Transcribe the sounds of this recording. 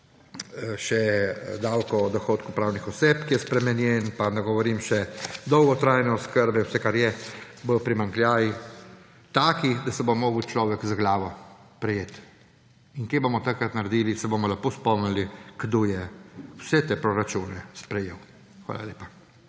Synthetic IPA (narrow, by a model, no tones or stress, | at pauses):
ʃɛd̪awkɔd̪ɔxoːt̪kupɾaːwnixɔseːpkijɛspɾɛmɛnjɛnpanɛɡɔʋɔɾiːmʃɛd̪ɔwɡɔt̪ɾajnɛɔskəɾbɛwsɛkaɾjɛʋəpɾimaŋklʲjaːji | t̪aːkid̪asɛbomɔːɡwt͡ʃlɔːʋɛkzaɡlaːʋɔ | pɾɛjeːt̪ | iŋkebomɔt̪akɾat̪naɾɛd̪iːlisɛbomɔlapoːspɔmniliɡ̥d̪oːjɛwsɛt̪epɾɔɾat͡ʃuːnɛspɾɛjeːw | xʋa̰ːla̰lʲeːpḁ